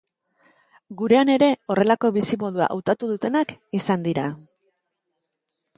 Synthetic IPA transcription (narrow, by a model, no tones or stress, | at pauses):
ɡuɾe̞ane̞ɾe̞o̞re̞lako̞βisimo̞ð̞ua̰ʔawt̪at̪uðut̪e̞nakisand̪iɾa